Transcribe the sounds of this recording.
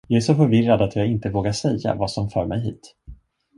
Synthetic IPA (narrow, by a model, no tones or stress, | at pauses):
jɑːæʂɔfœɾvɪrad̪at̪ʰjɑːɡɪnt̪əvoːɡaʂɛjːa̰vaːsɔmfœːɾmɛjɦḭːt̪